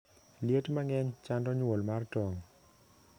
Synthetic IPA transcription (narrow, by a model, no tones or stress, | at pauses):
ljetmaŋɛɲt͡ʃandɔɲwolmartɔŋ